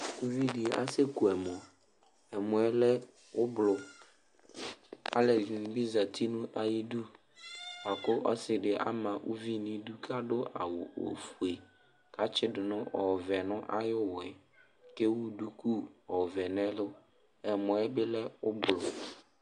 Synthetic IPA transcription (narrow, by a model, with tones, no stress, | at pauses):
u˦vi˦dɪ˨˦a̰˦se˦ku˨ɛ˨mɔ˨ | ɛ˨mʊ̃˨ɛ˦lɛ˦ | ʊ˦blʊ˨ | a̰˦lɛ̃˨bi˦za˨t̪ʰi˦nũ˦ʔa˨ji˦du˦ | a˨kʊ˦ʔɔ̰˦sɪ˨ɖɪ˨ʔa̰˦mã˨ʔu˦vi˦nĩ˦du˦kʰa˦dʊ˦a̰˨wʊ˨o̰˨fu˨e˨ | ka˨t͡ʃɪ˦dʊ˨nʊ̃˦ʔɔ˨vɛ˨nʊ̃˦ʔa˦jʊ˦wʊ˨ɛ˨ | ke˦wu˦du˦ku˦ɔ˨vɛ˨nɛ̃˦lʊ˦ | ɛ˨mʊ̃˨ɛ˦bɪ˦lɛ˦ʊ˦blʊ˨